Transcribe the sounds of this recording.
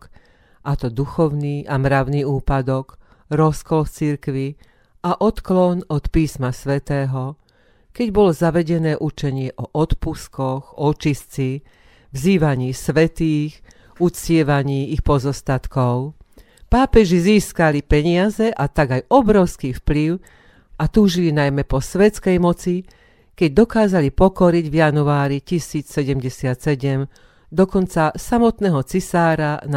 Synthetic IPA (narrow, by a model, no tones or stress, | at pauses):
ʔat̪ɔd̪uxɔʊniːʔamɾaʊniːuːpad̪ɔɡ | ɾɔskɔlft͡siɾkʋi | ʔaʔɔt̪klɔnɔt̪piːsmasʋɛt̪ɛːɦɔ | kɛɟbɔlɔzaʋɛɟɛnɛːʔut͡ʃɛɲɪɛʔɔʔɔt̪puskɔɣɔt͡ʃist͡si | vziːʋaɲiːsʋɛt̪iːɣ | ut͡scɪɛʋaɲiːixpɔzɔst̪at̪kɔʊ | paːpɛʒiziːskalipɛɲɪazɛʔat̪aɡajɔbɾɔʊskiːfpliʊ | at̪uːʒilinajmɛpɔsʋɛt͡skɛjmɔt͡si | kɛɟ̚d̪ɔkaːzalipɔkɔɾiɟvjanuaːɾicisiːt͡ssɛɟɛmɟɛsɪat̪sɛɟɛm | d̪ɔkɔnt͡sasamɔt̪nɛːɦɔt͡sisaːɾan